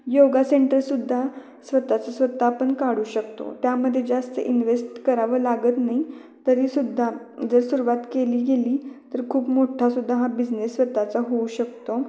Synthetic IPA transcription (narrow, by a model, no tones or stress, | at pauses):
joɡaseɳʈəɾsud̪ʱːa | sʋət̪at͡səsʋət̪ːaːpəɳkaɽuːɕəkt̪o̰t̪jaməd̪ʱːjed͡zast̪ə̰ʔinʋesʈkəɾaʋəːlaɡət̪naɦi | t̪əɾiːsud̪ʱːad͡zəɾsuɾuʋat̪keliːɡeliːt̪əɾkʰuːpmoʈʰasud̪ʱːaɦabid͡znesːʋət̪ːat͡saɦouɕəkt̪o